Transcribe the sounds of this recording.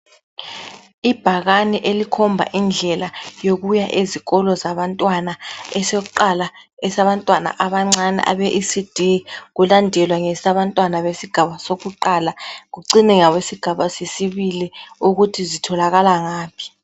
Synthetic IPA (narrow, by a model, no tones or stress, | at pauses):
ib̥ʱaɣaniʔelikʰɔmbʱa̰ʔind͡ɮʱɛlajoɣujaʔeziɣɔlɔzaβantʼwanaɛsek̬uǃalaɛsaβantʼwana̰ʔaβaŋ͡ǀanɛ̰ʔa̰βɛʔisid̥ʱeɣulandʱɛlwaŋɛsaβantʼwanaβesiɡ̥ʱaβasoɣuǃaːlaɣuǀinɛŋawesiɡ̥ʱaβasesiβiliuɣutʰizitʰɔlaɣalaŋaːpʰi̥